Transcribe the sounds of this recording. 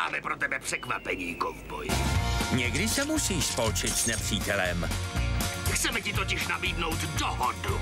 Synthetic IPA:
ma̰ːmɛpɾot̪ɛbɛpr̥ɛkva̰pɛɲiːɡɔɱvbɔ̰jɲɛɡdɪsɛmusiːʃspolt͡ʃɪt̪snɛpr̝̥iːt̪ɛlɛm | xt̪sɛmɛcɪt̪ocɪʃnabiːd̪nowt̪dɔɦɔdu

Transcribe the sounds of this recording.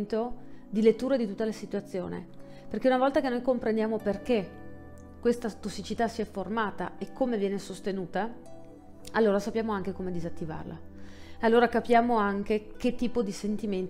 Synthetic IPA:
nt̪od̪ilet̪ːuːɾed̪it̪ut̪ːalesit̪uat̪sːjoːnḛ | perkeunavɔlt̪akenojkompɾend̪jaːmoperke | kːwest̪at̪osːit͡ʃit̪asiɛfːormaːt̪a̰ekʰːomevjɛːnesost̪enuːt̪a | alːoːɾasapːjaːmoaŋk̟ekomed̪izat̪ːiva̰rla̰ealːoːɾakapjaːmoaŋk̟ek̟et̪ːiːpod̪isent̪iment̪

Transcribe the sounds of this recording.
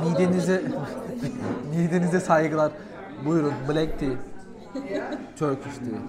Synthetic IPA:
mid̪enizɛ | mid̪enizd̪ɛsajɡɯlˠaɾ | bujuɾunbɯlɛk̚t̪ʰi | t͡ʃʰøɾkʰyʃt̪ʰi

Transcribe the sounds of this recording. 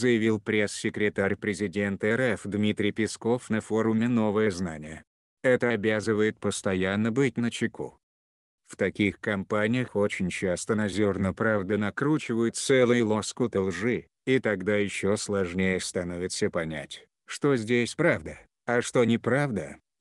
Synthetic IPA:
zəjɪvʲilˠpɾʲe̞sːʲɪkɾʲɪt̪aɾʲpɾʲɪzʲɪdʲe̞nt̪əɛɾɛfd̪mʲit̪ɾʲɪjpʲɪsko̞fnɐfo̞ɾʊmʲɪno̞vəjəznanʲɪjə | ɛt̪əɐbʲazɨvəjɪt̪̚pəst̪ɐjanːəbɨt̚ʲnət͡ɕɪku | ft̪ɐkʲixkɐmpanʲɪjəxo̞t͡ɕɪnʲt͡ɕast̪ənɐzʲo̞rnəpɾavd̪ənɐkɾut͡ɕɪvəjʊt̪̚sɛlˠʊjʊlˠo̞skʊt̪əlˠʐɨ | it̪ɐɡd̪ajɪɕːoslˠɐʐnʲejəst̪ɐno̞vʲɪt̪səpɐnʲæ̰tʲ | ʂt̪o̞zʲdʲesʲpɾavd̪ə | ɐʂt̪onʲɪpɾavd̪ə

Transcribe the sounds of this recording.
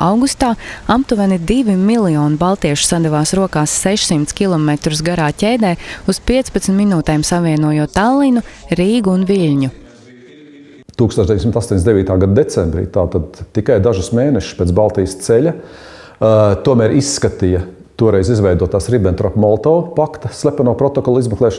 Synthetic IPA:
awɡust̪aːamt̪uvɛnid̪iʋimilˠijɔːnibalˠt̪iɛʃu̥sad̪ɛʋaːsɾuɔkaːsːɛʃsimt̪skʲilˠɔmɛt̪ɾus̬ɡaɾaːcʲɛjd̪ɛːuspiɛt̪spat̪snt̪minuːt̪ɛːmsaviɛnuɔjuɔt̪ːalˠinuɾiːɡuːnʋiʎʲɲu | t̪uːksoɔʒd̪evj̪ʲsimt̪ast̪oːɲʲesd̪eʋiːt̪aːɡad̪ad̪et̪sɛmbɾḭːt̪aːt̪ad̪̚t̪ikajd̪aʒʊsmeːnɛʃspeːt̪balˠt̪iːjəst̪sɛlʲɐ | t̪uɔmæːɾʔisːkat̪ijɐ | t̪uɔɾɛjzizʋɛjd̪uɔt̪aːsɾibɛnt̪ɾapmɔlˠt̪ɔːpakt̪ɐslʲˠæpanuɔpɾɔt̪ɔkɔlˠizmɛklˠɛːʃ

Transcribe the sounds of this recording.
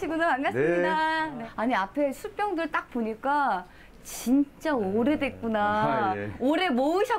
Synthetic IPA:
iɡonɯmanɡas͈ɯɲidaaɲiapʰe̞sʰup͈jʌŋdɯɭt͈ak̚poɲik͈a | t͡ɕint͡ɕ͈aoɾe̞dwe̞k͈una | oɾe̞moɯɕʰʌ

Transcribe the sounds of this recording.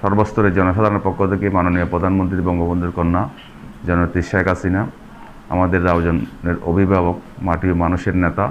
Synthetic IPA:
ʃɔɾbost̪ʰoɾed͡ʑɔnoʃad̪ʱaɾoneɾpɔkʰːot̪ʰekemanonijopɾod̪ʱanmont̪ɾibɔŋbʱobond̪ɾoɾkonːa | d͡ʑɔnot̪iʃaekasina | a̰mad̪eɾːabd͡ʑonneɾo̰bʱibʱabok̚maʈiomanuʃeɾnet̪a

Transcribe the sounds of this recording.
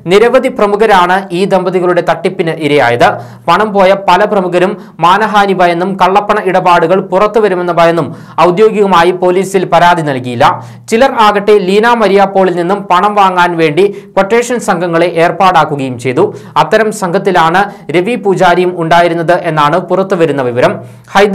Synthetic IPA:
niɾɐʋɐd̪iprɐmukɐɾaːɳɨʔiːd̪embɐðiɣɐɭuɽe̞t̪ɐʈːipːinɨʔiɾɐja̰ːjɐðɨ | pɐɳɐmpo̞ːjɐpɐlɐprɐmukɐɾumː | aːnɐɦaːnibɐjenːumkɐɭːɐpːɐɳɐʔiɽɐbaːɽuɣɐɭpurɐt̪ːuʋɐɾume̞nːɐbɐjenːum | ɐwd̪jo̞ːɡjiɣɐmaːjipo̞ːliːsilpɐɾaːd̪ʱinɐlkijilːɐ | t͡ɕilɐraːɣɐʈːeliːnaːmɐɾijaːpːo̞ːɭilninːumpɐɳɐmʋaːŋːaːnʋe̞ːɳɖikwɐʈːe̞ːʂɐnsɐŋɡʱɐŋːɐɭe̞ʔeːrpaːɽaːkːuɣɐjumt͡ɕe̞jðuɐt̪ːɐɾɐmsɐŋɡʱɐt̪ːilaːɳɨɾe̞ʋipuːd͡ʑaːɾijumuɳɖaːjiɾunːɐðɨʔe̞nːaːɳɨpurɐt̪ːuʋɐɾunːɐʋiʋɐɾɐm | hɐjd̪

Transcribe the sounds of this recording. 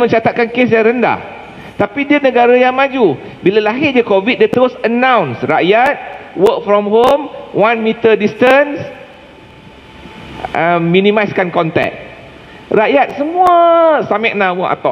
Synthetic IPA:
mə̃ɲt͡ʃat̪at̪̚kankesjaŋɾənda̰h | t̪apidiənəɡaɾajaŋmad͡ʒu | bilalaɦɪʔ̚d͡ʒəkovit̪̚dat̪əɾʊsənãwnsraʔjat̪̚wək̚fɾɔmɦomwanmit̪ədistəns | əmːĩnĩmajskankɔnt̪ɛ̰k̚ | rajat̪̚səmũəsamɛʔ̚nãmõʔa̰t̪ɔ

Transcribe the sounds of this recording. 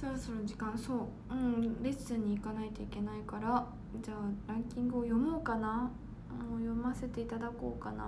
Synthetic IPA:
so̞ɾoso̞ɾod͡ʑikãɰ̃so̞ː | ɯ̟̃ɴɾe̞sɨɲ̟iːkanait̪o̞ike̞naikaɾa | d͡ʑaːɾãŋkʲĩŋɡɯ̟ojo̞moːkana | ojo̞mase̞t̪e̞it̪ad̪ako̞ːkana̰

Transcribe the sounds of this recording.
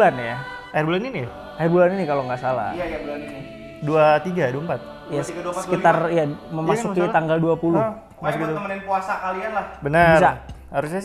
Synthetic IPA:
lanja | aɪrbulanini | ahirbulaninikaloŋɡaʔsala̰ | duat̪iɡaduaəmpat̪̚ | jassə̥kit̪arijaməmasukit̪aŋɡalduapulʊh | masukit̪umənanpuasakalianlahbənəbirsahaɾus̬ɲa

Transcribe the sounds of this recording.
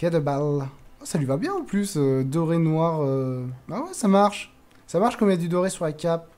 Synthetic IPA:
kʲɛd̪əbalɔsalɥivabjɛ̃ɑ̃plysød̪ɔʁenwaʁøbawɛsamaʁʃ | samaʁʃkɔmjad̪yd̪ɔʁesyʁlakʲap̚

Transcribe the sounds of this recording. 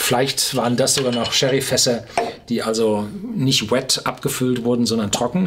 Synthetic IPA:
fɪlaɪçtv̥aːʁəndasz̥oːɡanɔχʃɛʁifɛsɐd̥iːʔalzonɪçtwɛtʔapɡ̥əfʏltv̥ʊɐdn̩zɔndɐntʁ̥ɔkŋ̩

